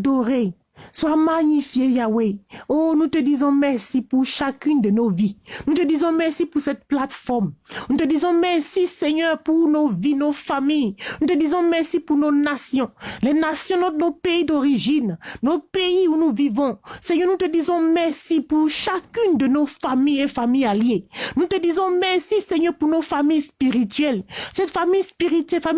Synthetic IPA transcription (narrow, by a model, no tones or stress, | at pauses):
d̪ɔʁe | swamaɲifjejaweonut̪əd̪izɔ̃mɛʁsipuʁʃakynd̪ənovinũt̪əd̪izɔ̃mɛʁsipuʁsɛt̪̚plat̪fɔʁmnũt̪əd̪izɔ̃mɛʁsisɛɲœʁpuʁnovinofamijnũt̪əd̪izɔ̃mɛʁsipuʁnonasjɔ̃lɛnasjɔ̃nɔ̃nopeid̪oʁiʒinːopeiunuvivɔ̃sɛɲœʁnut̪əd̪izɔ̃mɛʁsipuʁʃakynd̪ənofamijefamijaljenut̪əd̪izɔ̃mɛʁsisɛɲœʁpuʁnofamijspiʁit̪ɥɛlsɛt̪famijspiʁit̪ɥɛfa